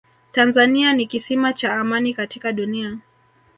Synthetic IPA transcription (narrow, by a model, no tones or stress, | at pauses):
tanzanianikisimat͡ʃaːmanikatikaɗunia